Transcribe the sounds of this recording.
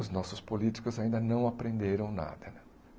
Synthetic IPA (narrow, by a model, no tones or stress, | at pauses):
ʊznɔsʊspolit͡ʃ̪i̥kʊzaĩnd̪ɐnɐ̃w̃apɾẽnd̪eɾɐ̃w̃na̰d̪ɐɛ